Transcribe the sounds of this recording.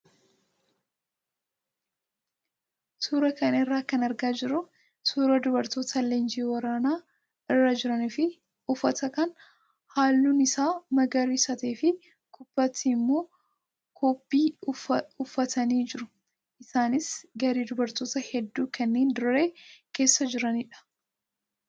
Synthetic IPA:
suːɾɐkɐnɐɪrːaːkɐnɐɾɡaːd͡ʒɪɾʊ | suːɾɐd̪ʊbɐɾt̪o̞ːt̪ʰɐleːnd͡ʒiːwɐɾaːnaː | ɪrːad͡ʒɪɾɐnɪfɪ | ʊfɐt̪ɐkɐn | haːlːuːnɪsaːmɐɡɐɾiːsɐt̪eːfɪ | kʊbːɐt̪ːimːo̞ː | kʰoːpːiː | ʊfːɐt̪ʰɐniːd͡ʒɪɾʊ | ʔɪsaːnɪsɡɐɾiːd̪ʊbɐɾt̪o̞ːt̪ɐhɛd̪ːuːkɐnːe̞ːnd̪ʊɾe̞ːke̞ːsːɐd͡ʒɪɾɐnɪᶑɐ̥

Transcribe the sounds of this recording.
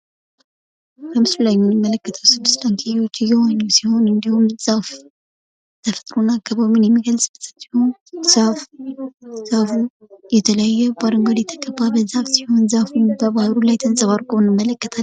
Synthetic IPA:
kəmɨslaɲːumɪmːələkːət̪ʰəwsɨb̪ːɨslʼaŋkʰijiwot͡ʃːɪjɛwaɲːɛwsiho̞nɨnd̪ihumz̥af | t̪ʰəfə̥t̪ʼɾonakːəβawmɨnjɛmːiɡəlsʼbɨssihonsaf | z̥afu | jɛt̪ʰələjajːɛb̥aɾɨŋɡad̪jɛt̪ʰəkʼəbːabəzafsiho̞nzafuɲbəbahɾulajt̪ʰənsʼəβaɾkʰʼonɨmːələkːət̪ʰa

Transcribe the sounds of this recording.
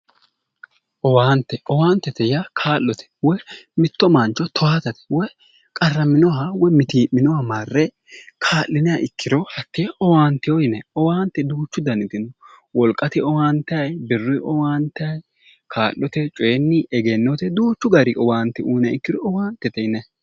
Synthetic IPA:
ʔɔwaːnt̪ːɛɔwaːnt̪ːɛt̪ɛjakʰaːlːɔt̪ʰɛ̥wɔmɪt̪ːɔmant͡ʃːɔt̪ʰɔwaːt̪ɐt̪ɛ̥wɔ | kʼɐrːɐmɪnɔɦɐwɔmɪt̪iːʔːɪnɔhɐmaːrːɛ | kʰaːlːɪnɪjɐʔɪkːɪɾɔhɐt̪ːɪɔwaːnt̪ɪjɔjɪnɛɔwaːnt̪ːɛd̪uːt͡ʃːʊd̪ɐnɪt̪ɪnːɔ | wɔlkʼːɐt̪ɪɔwaːnt̪ɐjbɪrːʊʔɔwaːnt̪ɐj | kʰaːlːɔt̪ɛt͡ʃʼɔːnːɪʔɛɡenːɔt̪ɛd̪uːt͡ʃːʊɡɐɾɪʔɔwaːnt̪ːɛuːnɪɐɪkːɪɾɔɔwaːnt̪ːɛt̪ɛɪnɛ

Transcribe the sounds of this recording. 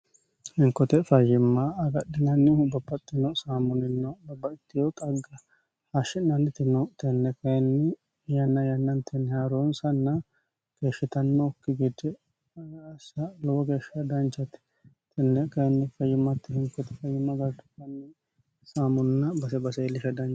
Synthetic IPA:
hɪŋkːɔt̪ɛfɐjːɪmːɐɐɡɐɗːɪnɐnːɪhʊbɐbːɐt̪ʼːɪnɔsaːmʊnɪnːɔbɐbːɐɪt̪ːɪjɔt̪ʼɐɡːɐ | haʃɪnɐnɪt̪ɪnɔt̪ɛnːɛkɐjɛnːɪ | jɐnːɐjɐnːɐnt̪ʰɛnhaɾonsɐnːɐ | keːʃːɪt̪ɐnːɔkːɪɡɪd̪ɛ | ɐsɐlɔwɔɡeːʃɐd̪ɐnt͡ʃɐt̪ɪ̥ | t̪ɛnːɛkɐjɛnːɪfɐjːɪmːɐt̪ːɪhɪŋkɔt̪ɛ̥fɐjːɪmːɐbɐɾd̪ʊt̪ːɐnːɪ | saːmʊnɪnːɐbɐsɛbɐsɛɛlːɪʃɐd̪ɐn

